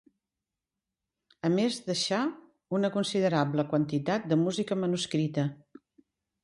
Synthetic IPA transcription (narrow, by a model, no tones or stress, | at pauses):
əmezðəʃa | unəkunsiðəɾabləkwənt̪it̪at̪̚d̪əmuzikəmənuskɾit̪ə